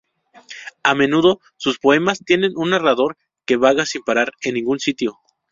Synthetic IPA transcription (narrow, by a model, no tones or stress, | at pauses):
ame̞nuðo̞ | suspo̞e̞mast̪je̞ne̞nunːaraðo̞ɾ | ke̞βaɣasimpaɾaɾe̞nːĩŋɡunsit̪jo̞